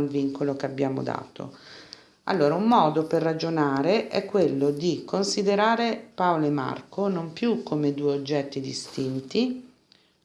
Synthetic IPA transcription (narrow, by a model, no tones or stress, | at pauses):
lviŋkolokeabːjaːmo̰d̪a̰ːt̪o̰ | a̰lːoːɾaumːɔːd̪operːad͡ʒonaːɾeʔɛ̰kːwelːod̪ikʰːonsid̪eɾaːɾepaolema̰rkonompjukʰːomed̪uːeod͡ʒːɛt̪ːid̪ist̪int̪i